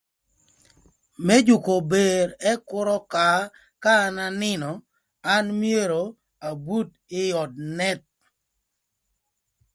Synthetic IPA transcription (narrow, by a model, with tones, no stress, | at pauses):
mɛ˦d͡ʒʊ˨ko˨be˨ɾɛ˦kʊ˦ɾɔ˦ka˨ | kaː˦na˦nɪ˦nɔ˨ | a˦nmje˦ɾo˨ | a˨bu˦t | ɪ˦jɔ˨d̚nɛ˦t̪̚